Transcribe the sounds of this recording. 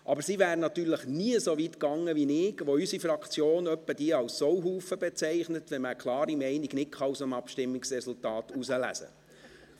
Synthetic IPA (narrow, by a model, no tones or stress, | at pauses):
ʔɑbəɾsivæːɾənɑt̪yːɾləχniəsovitkɑŋːəʋinɪɡʋoysifɾɑkt͡sjoːnœpːəd̥iəɑlsowɦuːfəbɛt͡sɛɪχnətʋɛnməkʰlˠɑːɾimɛɪniɡnɪtkχɑusəmɑpʃtɪmːiksɾɛsultɑːt̪usəlæ̰sə̰